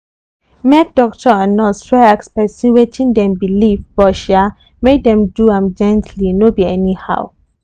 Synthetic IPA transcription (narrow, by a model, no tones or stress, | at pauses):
mɛk̚d̥ɔk̚tʰɔãnɔswɛakspɛsĩnwet͡ʃĩŋdɛ̃mbilivb̥ɔʃa | medɛ̃mduãmd͡ʒɛ̃ntʰlinobiɛniha̰ʊ